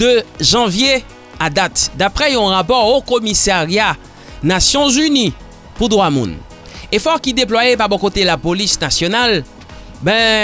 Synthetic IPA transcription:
d̪̥øʒɑ̃vje | ad̪at̪d̪apχɛiɔ̃ʁapɔʁokɔmisaʁja | nasjɔ̃zyni | pud̪ʁwamṵ̃n | efɔʁkid̪eplwajepaʁbɔ̃kot̪elapolisnasjɔnal | bɛ̃

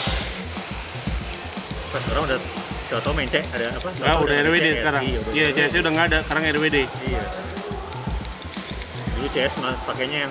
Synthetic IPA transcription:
pasəkaɾaŋuda | t͡ʃɔt̪ɔmɛɲt͡ʃɛʔadaːpaŋɡaudaɛɾwedesəkaɾajat͡ʃɛɛs̬ɲaudaŋɡadakaɾaŋɛɾwede | ija | dulut͡ʃɛɛsmapakaɲajaŋ

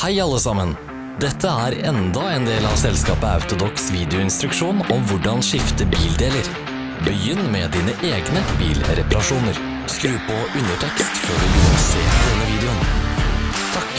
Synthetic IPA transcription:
hæɪɑlːəsɑmən | d̪ɛt̪ʰːəæːɾɛnd̪ɑeːnd̪eːlɑʋsɛlskɑːpəɑ̰ʉt̪ʊd̪ɔksʋiːd̪ɪʊɪnst̪ɾʉkʂuːnɔmʋʊɖɑnʂɪft̪əbiːld̪eːləɾ | bəjʏnːmɛːd̪iːnəʔeːɡnəbḭːlɾɛpɑɾɑʂuːnəɾ | skɾʉːpɔʔʉnəʈʰɛkst̪føːɖʉb̪ɔsḛːd̪ɛnːəʋiːd̪ɛʊn | t̪ʰɑk

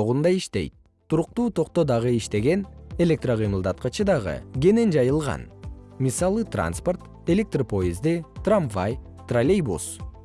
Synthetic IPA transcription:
oʁund̪ɑiʃt̪e̞̰jt̪̚ | t̪ːuɾuq̚t̪uːt̪ʰo̞qt̪od̪ɑʁɯiʃt̪e̞ɡe̞ne̞lʲe̞k̚t̪roqɯjmɯlˠd̪ɑt̪̚qɑt͡ʃʰɯd̪ɑʁɯ̰ɡʲe̞ne̞nd͡ʒɑjɯlˠʁɑ̰nmisɑlˠɯt̪ra̰nspo̞rt̪ | e̞lʲe̞k̚t̪ropʰo̞ezd̪it̪ramvaj | t̪ralʲejbṵs

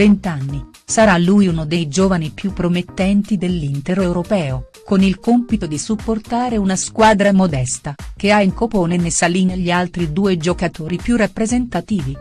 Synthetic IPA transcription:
vent̪anːi | saɾalːujunod̪ejd͡ʒoːvanipjupːɾomet̪ːɛnt̪id̪elːint̪eɾewɾopɛːo | konilkompit̪od̪isupːort̪aːɾeunaskwaːd̪ɾamod̪ɛst̪ak̟eaiŋkopoːnenesaliːneʎːialt̪ɾid̪uːed͡ʒokat̪oːɾipjurapːɾezent̪at̪iːvi

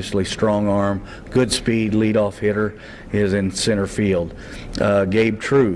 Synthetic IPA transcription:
ɨʃl̩ˠistɹ̥ɔ̃ŋɑɹm | ɡ̥ʊdspidˡliɾɔfhɪɾə˞ | ɪzɨ̃nsɪ̃ɾ̃ə˞filˠd̥̚ | ɡeɪb̚tʰɹ̥ʉ

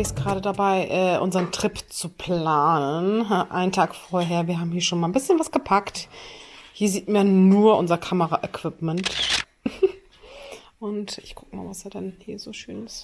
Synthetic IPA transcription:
ɪst̚ɡ̥əʁaːɾədabaɪʔɛːʔʊ̰nzɐʁəntʁ̥ɪpt͡supʰl̥aːnənʔa̰ɪntʰaːkfoːɐɦeːɐviːɐɦaːbm̩hiːɐʃoːnmalnbɪsçənvasɡ̥əpʰakt | hiːɐziːtmajanuːɐʔʊnzɐkʰaməʁaʔəkv̥ɪpmɛnt | ʔʊntʔɪçkʰʊkəma̰ːlvasd̥iːɐdɛnhiːɐzoːʃøːnɪst

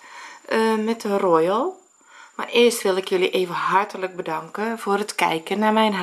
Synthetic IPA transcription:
ʔəmɛtərojəlˠ | ma̰rɪəstʋɪlˠɪkjoliʔeːvəɦartələk̚bədaŋkəvoərətkɛ̰jkənːamɛjnɦ

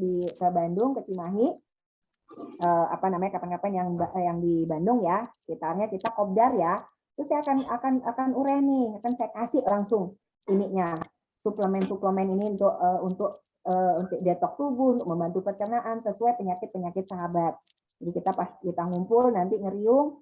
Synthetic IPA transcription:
diəbandʊŋkət͡ʃimaɦi | əːa̰panamaɲakapankapanjaŋbjaŋdibandʊŋjasə̥kit̪arɲakit̪akɔp̚darja | t̪ʊsajaakanakanakanuɾɛhniakansajakasɪhlaŋsʊŋ | inɪʔɲa | supləmɛnsupləmɛniniunt̪ʊkəunt̪ʊk̚ | əːunt̪ʊk̚dɛt̪ɔk̚t̪ubuunt̪ʊk̚məmbant̪upərt͡ʃənaʔansəsuajpəɲakɪt̪̚pəɲakɪt̪̚saɦabat̪̚ | d͡ʒadikit̪apaskit̪aŋumpʊlnant̪iŋəɾiʊŋ

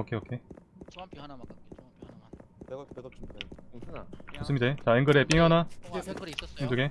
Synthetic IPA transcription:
ʌkʰeʌkʰe̞ | mas͈ɯmɲidet͡ɕaeŋɡɯɾe̞p͈iŋʌna | iŋduɡe

